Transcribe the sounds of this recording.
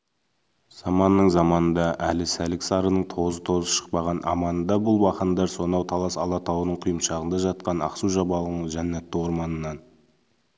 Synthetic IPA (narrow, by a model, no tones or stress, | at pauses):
z̥ɑmɑnːəɴzɑmɑnənd̪ɑʔælɪsælɪksɑɾənəɴt̪ʰo̞zət̪ʰo̞zəʃə̥q̚pɑʁɑnʔɑ̰mɑnəd̪ɑbʊlˠwɑχənd̪ɑɾso̞nɑwt̪ʰɑlˠɑsɑlˠɑt̪ʰɑwənəɴqʰijəmʃɑʁənd̪ɑʒɑt̪̚qɑnɑ̰qsuʒɑbɑlˠəʁəɴʒænːæt̪ːɪwo̞ɾmɑnənːɑn